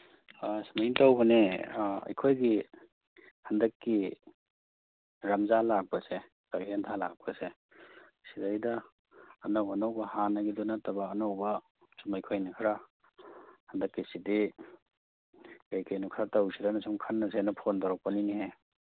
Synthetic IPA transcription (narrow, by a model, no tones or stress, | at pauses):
asmajintawbɐneɐ̰jkʰojɡi | hɐndɐkːi | ɾɐmzalak̚pɐse | kabintʰala̰k̚pɐse | sidajdɐː | nawanawbɐhanɐɡidonatɐbɐːnawbɐ | sumɐjkʰojnɐkʰaɾa | hɐndɐkːisidi | kajkajnukʰaɾatawsidanasumkʰanːɐs̬enɐpʰondaɾak̚pɐniniɦe